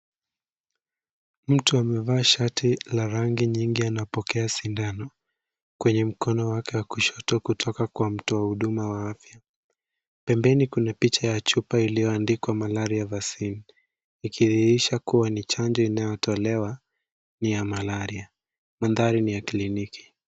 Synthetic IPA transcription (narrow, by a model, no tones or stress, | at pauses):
m̩tuamɛvaːʃatʰilaɾaŋɡiɲiŋɡianaɔpɔkɛasindanɔ | kwɛɲɛm̩kʰɔnɔwakɛwakuʃɔtɔkutʰɔkakwam̩tuwahuɗumawaafja | pɛmbɛnikunapit͡ʃajat͡ʃupailijɔandikwamalaɾiavasin | ikʰiðiiʃakuwanit͡ʃaɲd͡ʒɔinajɔtʰɔlɛwa | nijamalaɾia | manðaɾinijakliniki̥